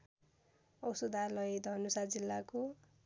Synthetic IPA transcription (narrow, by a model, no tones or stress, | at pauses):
ʌwsod̪ʱalʌjd̪ʱʌnusad͡zilːako